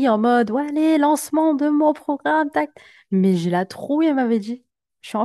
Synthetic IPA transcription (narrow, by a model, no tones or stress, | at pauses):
iɑ̃mɔd̪walelɑ̃smɑ̃d̪əmɔ̃pχɔɡʁamt̪ak̪̚ | mɛʒelat̪χuɛlmavɛd̪i | ʃiɑ̃